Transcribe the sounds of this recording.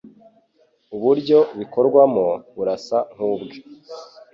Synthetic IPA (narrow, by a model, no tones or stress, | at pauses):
uβuɾɟo̞βiko̞ɾɡwamoβuɾasaŋ̥huːbɡe